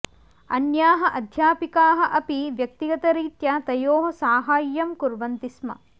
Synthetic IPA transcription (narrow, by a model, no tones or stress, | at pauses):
ɐnjaːɦɐʔɐd̪ʱjaːpikaːɦɐ̆ʔɐpiʋjɐk̚t̪iɡɐt̪ɐɾiːt̪jɐt̪ɐjoːɦɐsaːɦaːjːɐmkuɾʋɐnt̪ismɐ̰